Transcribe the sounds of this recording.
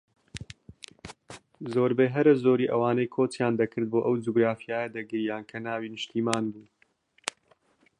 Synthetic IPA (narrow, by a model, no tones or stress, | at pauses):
zoːɾbeɦɐɾɐzoːɾiːʔɐwaːnɐjkʰoːt̪jaːnd̪ɐkʰɨɾd̪̚boːʔɐwd͡ʒuɡɾaːfijaːjɐd̪ɐɡɨɾjaːnkʰɐnaːwiːnɨʃt̪iːmaːnbuː